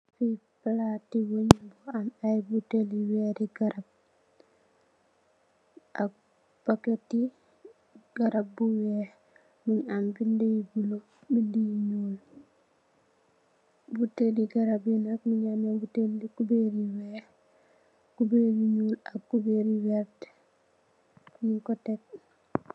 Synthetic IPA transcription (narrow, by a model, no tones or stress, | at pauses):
fiplatiwuɲbuamajbuteliweɾiɡaɾab̚ | ʔa | b̥aketi | ɡ̥aɾab̚buweh | muɲambindijbulo | bindijiɲuːl | buteliɡaɾabjinakniɲamabuteldikubeɾiwe | kubeɾiɲulakːubeɾiweɾt | mikotek̚